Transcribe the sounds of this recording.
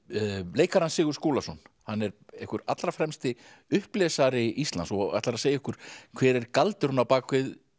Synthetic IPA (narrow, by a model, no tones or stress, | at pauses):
leːjkaɾansɪːɣʏɾ̥skuːlasɔn | hanːɛɾehkʏɾa̰t̪lɾafɾɛmst̪ɪ | ʏhplɛːsaɾɪʔist̪lansɔa̰ht̪aɾaðseːjaɪhkʏɾ̥kʰv̥ɛːɾɛɾkalt̪ɪ̥hunapaːkʰvɪð